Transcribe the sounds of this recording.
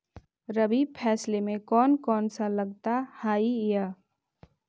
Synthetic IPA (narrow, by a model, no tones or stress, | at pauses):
ɾəbipʰɛːslemẽkɔːnkɔːnsaləɡ̚t̪ahaːijaː